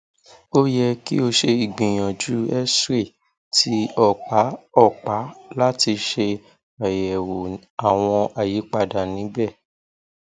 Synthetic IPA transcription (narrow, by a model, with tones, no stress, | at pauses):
o˦jɛ˧kḭ˦o˧ʃe˧i˨ɡ͡bĩ˨j̃ɔ̃˨d͡ʒu˨˦ɛ˦se˦˨ | tʰi˧˦ɔ˦˨k͡pa˨˦ɔ˦˨k͡pa˨˦la˦ti˧ʃe˧ | a˨jɛ˨wo˨ | a˨w̃ɔ̃˧a˨ji˨˦k͡pa˦˧˨da˨nĩ˨˦bɛ˦˨